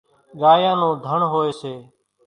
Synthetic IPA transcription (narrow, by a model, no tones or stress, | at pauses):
ɠaːjãːnõːd̪ʱəɳɦoːeːseː